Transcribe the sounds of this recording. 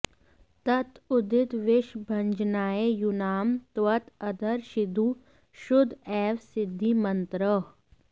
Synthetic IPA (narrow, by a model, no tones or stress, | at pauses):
t̪ɐt̪ʊd̪ɪt̪ʋɪʃbʱɐ̃ɲd͡ʒnaːejunaːmt̪ʋɐt̪ɐd̪ʱəɾʃɪd̪ʱu | ʃʊd̪ʱɛːʋsɪd̪ʱːimɐnt̪ɾə